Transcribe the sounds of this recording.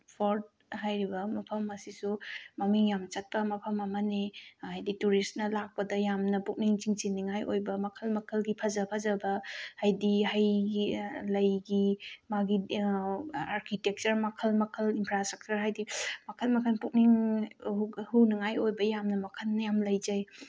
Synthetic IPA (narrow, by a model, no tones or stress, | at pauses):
pʰoɾd̚ | ɦajɾibɐmɐpʰɐmɐsisumɐmiŋjamt͡ʃɐt̚pɐmɐpʰɐmɐmɐnehajdituɾistnɐlak̚pɐdɐjamnɐpuk̚niŋt͡ʃiŋt͡ʃinːiŋajʔojbɐmɐkʰɐlmɐkʰɐlɡipʰazɐpʰazɐbɐhajdihaj | lɐjɡimaɡi | aɾkʰitek̚t͡ʃɐɾmɐkʰɐlmɐkʰəlinpʰɾastɾɐk̚t͡ʃuɾɦajdimɐkʰɐlmɐkʰɐnpuk̚niŋuhunɐŋajojbɐjamnɐmɐkʰənnɐjamlɐjd͡ʒaj